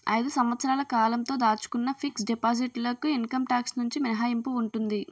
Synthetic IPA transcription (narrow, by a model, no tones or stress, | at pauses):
ɐ̰jd̪ɐsɐmʋɐt̪sɐɾaːlɐkaːlɐmt̪o̞ːd̪aːt͡ʃu̥kunːɐpʰiksɖepaːs̬iʈlɐkuinkɐmʈaːksnuɲt͡ʃiminɐɦaːjimpuːɳʈund̪i